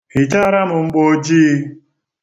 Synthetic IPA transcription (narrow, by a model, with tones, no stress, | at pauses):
hi˨t͡ʃa˦ɾa˦mʊ˨ŋ͡m̩˦ɡ͡bo˦d͡ʒiː˦